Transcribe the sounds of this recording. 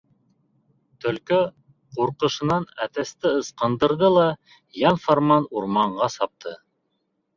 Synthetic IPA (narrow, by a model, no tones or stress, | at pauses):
t̪ɵ̆lkɵ | quɾqɤ̆ʃɤ̆nɑnæt̪æst̪ɘɤ̆sqɑnd̪ɤ̆ɾðɤlˠɑ | jɑnfoɾmɑnuɾmɑɴɢɑsɑp̚t̪ʰɤ